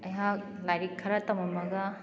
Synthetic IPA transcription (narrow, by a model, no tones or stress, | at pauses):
ɐjɦa | lajɾikʰːɐɾatɐmamɐɡa